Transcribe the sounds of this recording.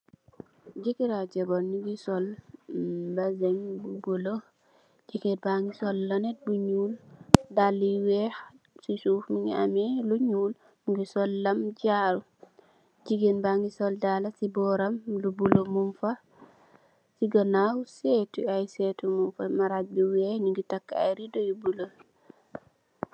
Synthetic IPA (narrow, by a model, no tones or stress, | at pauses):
d͡ʒikiɾad͡ʒɛbɔniɡisɔl | bazɛŋbubulo | d͡ʒikɛbaŋɡisɔlːanɛt̚buɲuːldalːiwɛx | sisufmiŋa̰mɛluɲuːl | ɡisɔlːamd͡ʒaɾu | d͡ʒiɡenbaŋɡisɔldalasibɔɾamlubulomumfa | siɡanawsetuajsɛtumunfamaɾabiwɛhniŋɡitakːa̰jɾidɔjubulo